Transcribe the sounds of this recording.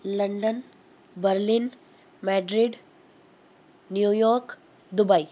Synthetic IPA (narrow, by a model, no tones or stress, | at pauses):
ləɳɖən | bəɾlin | mɛɖɾiɖ | njujɔɾk | d̪ubai